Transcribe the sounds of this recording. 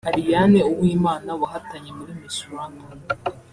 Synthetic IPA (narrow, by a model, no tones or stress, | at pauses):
haɾijaneuβwiːmaːnawahataɲe̞muɾimisuɾanu